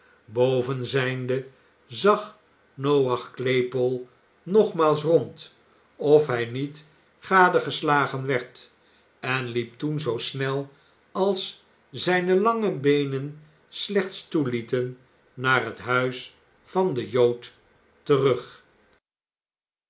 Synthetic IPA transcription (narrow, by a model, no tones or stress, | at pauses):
bowvənzɛjndə | zɑχ | nowɑχklejpɔlˠ | nɔχmaːlˠs̬rɔnt | ɔfɦɛjnit | χaːdəχəslaːχənʋɛɹt | ɛnlip̚tunzowsnɛlˠ | ɑlˠs | zɛjnəlɑŋəbejnən | slɛχt̪stulitənː | aːrɦətɦœɥs | fɑndəjowtː | ərɵχ